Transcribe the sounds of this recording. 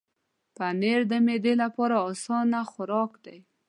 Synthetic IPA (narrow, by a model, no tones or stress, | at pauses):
paneɾd̪əmed̪elapɑɾaːsɑnaxʊɾɑkd̪aj